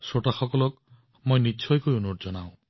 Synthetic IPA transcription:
soʈaxɔkɔlɔk̚ | mojnit͡ʃʰɔjkɔjunoʈ̚d͡ʒɔnaw̃

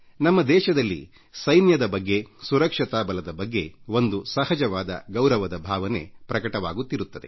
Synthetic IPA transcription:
nɐmːɐd̪ɛːʃɐd̪ɐlːḭ | sɐjnjɐd̪ɐbɐɡːe̞suɾɐkʂɐt̪aːbɐlɐd̪ɐbɐɡːe̞o̞nd̪usɐhɐd͡ʒɐʋaːd̪ɐ̰ɡɐwɾɐʋɐd̪ɐbʱaːʋɐne̞̰pɾɐkɐʈɐʋa̰ːɡut̪ːiɾut̪ːɐd̪e̞̰

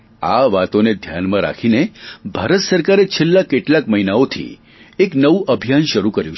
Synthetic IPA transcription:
a̰ʋat̪oned̪ʱjanmãɾa̰kʰinebʱaɾət̪səɾkaɾet͡ʃʰelːakeʈlakməɦinaot̪ʰḭ | eknəʋũʔəbʱjanʃəɾukəɾjũ

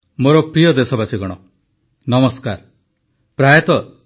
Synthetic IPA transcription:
moɾɔpɾijɔd̪esɔbasiɡɔɽ̃ɔ | nɔmɔskaɾ | pɾajɔt̪ɔ

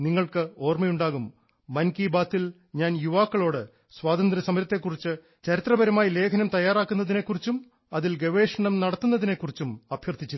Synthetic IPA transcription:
niŋːɐɭkɨo̞ːrmɐjuɳɖaːɣumː | ɐnkiːbaːt̪ːil | ɲaːnjuʋaːkːɐɭo̞ːɽɨ | swaːd̪ɐnd̪ɾɐsɐmɐɾɐt̪ːe̞kːurit͡ɕːɨ | t͡ɕɐɾit̪rɐbɐɾɐmaːjile̞ːkʰɐnɐmt̪ɐjːaːraːkːunːɐðine̞kːurit͡ɕːum | ɐðilɡeʋe̞ːʂɐɳɐmnɐɽɐt̪ːunːɐðine̞kːurit͡ɕːumɐbʱjɐrt̪ʰit͡ɕːi

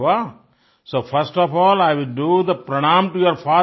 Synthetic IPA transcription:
a | soːfəɾsʈɔfɔːlaɪʋɪlɖuːd̪əpɾəɳ̃ãmʈujoəɾfaː

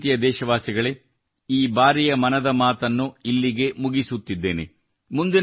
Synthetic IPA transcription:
t̪ijɐd̪ɛːʃɐʋaːsiɡɐɭe | iːbaːɾijɐmɐnɐd̪ɐmaːt̪ɐnːuilːiɡe̞muɡisut̪ːid̪ːe̞ːnḛ | mund̪in

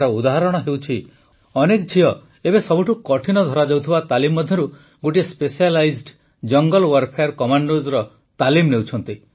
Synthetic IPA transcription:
ɾɔud̪aɦaɾɔɽ̃ɔɦewt͡ʃʰi | ɔnekd͡ʒʰʱiɔ | ebesɔbuʈukɔʈʰinɔd̪ʱɔɾad͡ʒewt̪ʰibat̪alimːɔd̪ʱjɔɾu | ɡoʈiespesialajzɖ | d͡ʒɔŋɡɔlwaɾpʰejɔɾkɔmaɳɖozɾɔ | t̪alimnewt͡ʃʰɔnt̪i

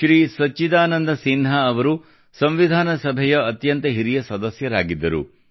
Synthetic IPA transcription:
ʃɾiːsɐt͡ʃːid̪aːnɐnd̪ɐsinɦɐːʋɐɾu | sɐmʋid̪ʱaːnɐsɐbʱɛjɐːt̪jɐnt̪ɐɦiɾijɐsɐd̪ɐsjɐɾaːɡid̪ːɐɾṵ

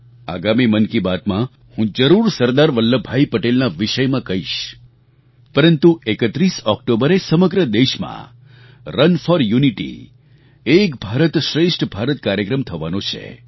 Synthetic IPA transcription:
a̰ɡamimənkibat̪mã | hũd͡ʒəɾuɾsəɾd̪aɾʋəlːəbʱaipəʈelnaʋiʃəjmãkəɦiʃ | pəɾənt̪uekət̪ɾisɔk̚ʈobəɾesəməɡɾəd̪eʃmã̰ | ɾənfɔɾjuniʈḭ | ekbʱaɾət̪ʃɾeʃʈʰbʱaɾət̪kaɾjəkɾəmt̪ʰəʋanõt͡ʃʰḛ

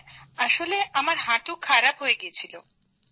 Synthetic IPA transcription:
aʃoleʔamaɾɦaʈukʰaɾapɦojeɡiet͡ɕʰilo

